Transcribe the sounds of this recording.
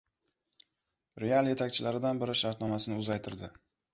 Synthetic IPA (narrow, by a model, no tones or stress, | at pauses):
ɾe̞alˠje̞t̪ʰakʲt͡ʃʰɪlaɾɪd̪anbɪɾɪʃaɾt̪nɒmasɪnɪʊzajt̪ʰɪɾd̪ɪ